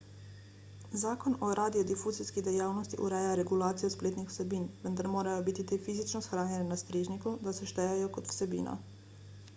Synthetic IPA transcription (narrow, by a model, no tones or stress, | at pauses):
zaːkɔnɔɾaːd̪ijɔd̪ifuːziskid̪ɛjaːwnɔst̪ḭʔṵɾɛjaɾɛɡulaːt̪sijɔspleːt̪nixw̥sɛbiːnʋənd̪aɾmoːɾajɔbit̪it̪eːfiːzit͡ʃnɔsxɾaːnjɛnɛnast̪ɾeːʒnikud̪asɛʃt̪ɛjajɔkɔt̪w̥sɛbḭːnɔ̰